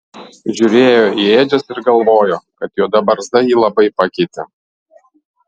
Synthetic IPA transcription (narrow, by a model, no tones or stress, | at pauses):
ʒʲʊɾʲeːjoːieːd͡ʒʲʊsɪɾɡɐlˠʋoːjoːkɐt̪joːd̪ɐbɐɾzd̪ɐjiːlˠɐbɐɪpɐkʲɛɪt̪ʲɛ̰